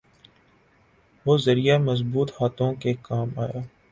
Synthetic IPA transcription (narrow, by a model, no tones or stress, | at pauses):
ʋoːzɐɾijamɐzbuːt̪haːt̪õkekaːmaːjaː